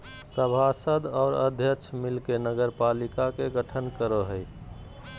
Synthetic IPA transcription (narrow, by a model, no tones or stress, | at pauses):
səbʱasəd̪ɔːɾə̰d̪ʱjəkt͡ʃʰmilkenəɡəɾpalikakeɡəʈʰənkəɾoɦəj